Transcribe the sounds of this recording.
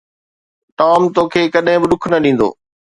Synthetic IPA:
ʈaːmt̪oːkʰeːkɐɗɦɪ̃bɪɗʊkʰnɐɗĩːn̆d̪o̰ː

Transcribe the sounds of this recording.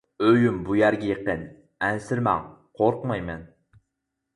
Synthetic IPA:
øjymbujæɾɡʲɛjeqən | ænsɪɾmɑ̰ŋqʰoɾqmɑjmɛn

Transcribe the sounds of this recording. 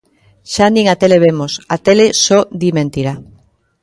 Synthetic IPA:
ʃanĩŋat̪eleβemosat̪elesod̪imẽnt̪iɾa

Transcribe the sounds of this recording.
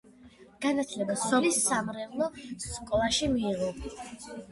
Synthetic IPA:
ɡ̥anat̪ʰlɛbasɔlisːamɾɛvlˠɔkʼɔlˠaʃimiːʁɔ

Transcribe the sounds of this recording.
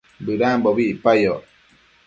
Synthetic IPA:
bɯɾaboβipajo

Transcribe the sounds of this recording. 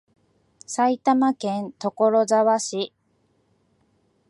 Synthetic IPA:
sait̪amakẽ̞nt̪o̞ko̞ɾo̞zaβaɕi

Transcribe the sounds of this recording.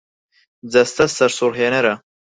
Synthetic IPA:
d͡zɐst̪ɐsɐɾsuɾɦeːnɐɾɐ

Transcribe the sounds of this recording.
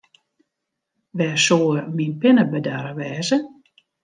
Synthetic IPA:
ʋɛsoːərminpɪnəbədaɾəʋɛːzə

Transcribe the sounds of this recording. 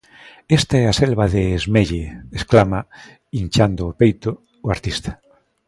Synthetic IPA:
est̪aɛaselβaðeːzmeʎeesklama | int͡ʃand̪ʊːpejt̪ʊː | aɾt̪ist̪ḁ

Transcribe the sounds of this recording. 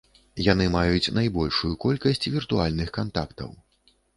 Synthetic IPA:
janɨmajut͡sʲnajbɔlʲʂujukɔlʲkɐsʲt͡sʲvʲirt̪ualʲnɨxkant̪akt̪ɐ̰w

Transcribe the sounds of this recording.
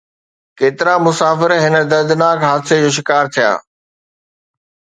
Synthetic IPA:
keːt̪ɪɾamʊsaːfɪɾɦɪnə̆d̪ɐɾd̪naːkɦaːd̪sed͡ʑoːʃ̬ɪkaːɾt̪ʰija̰ː

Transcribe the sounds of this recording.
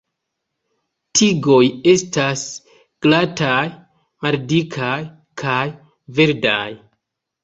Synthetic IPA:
tʰiɡo̞je̞stas | ɡ̥lataj | maldikʰaj | kʰaj | ve̞ɾda̰j

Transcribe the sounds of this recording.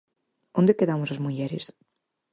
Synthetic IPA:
ond̪ekeðamosɐzmuʎɛɾes

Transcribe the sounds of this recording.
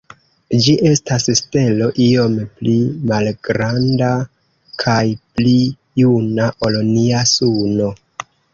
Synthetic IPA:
d͡ʒiʔe̞stasste̞lo̞ʔio̞mplimalɡ̥ɾanda | kʰajpli | junaʔo̞loniasuno̞

